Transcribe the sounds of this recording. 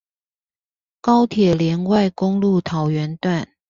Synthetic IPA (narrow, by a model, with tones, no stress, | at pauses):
kɑ˥ʊt̪ʰjɛ˨˩ljɛ˧˥nwa˥˩ɪkʊ˥ŋlu˥˩t̪ʰɑ˨˥ʊɥɛ˧˦˥nt̪wa˥˩n